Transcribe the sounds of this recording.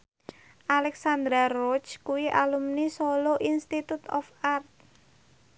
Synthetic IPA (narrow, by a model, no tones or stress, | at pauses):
ʔalɛksand̪ɾarɔt͡ʃkuwiʔalumnisoloʔinst̪it̪ut̪ɔfart̪̚